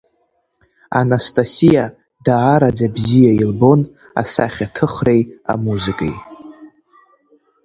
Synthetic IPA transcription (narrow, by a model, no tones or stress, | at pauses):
a̰nastʼasija | daːɾad͡zabzijailbo̞n | a̰saχʲatʰɨχre̞ja̰muzɨkʼa̰j